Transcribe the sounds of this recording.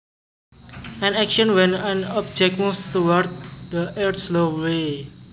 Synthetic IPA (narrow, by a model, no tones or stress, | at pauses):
ɛ̃nɛkʃə̃nwɛ̃nãnɔp̚d͡ʒɛk̚must̪uwaɾd̪̚d̪əʔɛɾt̪slowe